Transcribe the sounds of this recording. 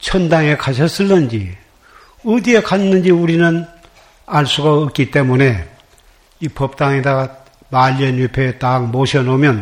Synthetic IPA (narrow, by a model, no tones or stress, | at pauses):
t͡ɕʰʌndaŋe̞kʰaɕʰʌs͈ɯlːɯnd͡ʑi | ɯdie̞kʰanːɯnd͡ʑiuɾinɯn | aɭs͈uɡaɯk͈it͈e̞mune̞ | ipʌp̚t͈aŋeda | maʎːʌnjupʰetaŋmoɕʰʌnomjʌn